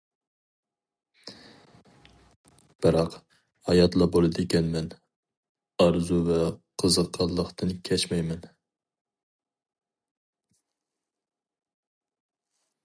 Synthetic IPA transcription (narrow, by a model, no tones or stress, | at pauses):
b̥ɨɾɑq | hɑjɑt̪lˠɑbolˠɨd̪ɪkʲɛnmɛn | ɑɾzuvɛqʰəzəqʰːɑlˠːəqt̪ɨnkʲʰɛt͡ʃmɛjmɛn